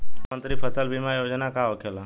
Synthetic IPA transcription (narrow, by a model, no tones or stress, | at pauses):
mənt̪ɾipʰəsəlbʱimajod͡ʒnakaɦokʰela